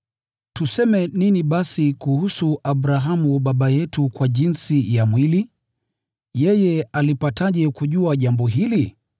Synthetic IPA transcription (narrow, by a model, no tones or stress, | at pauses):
tusɛmɛniniɓasikuhusuaɓɾaɦamuɓaɓajɛtukwaʄinsijamwili | jɛjɛalipataʄɛkuʄuaʄambɔɦili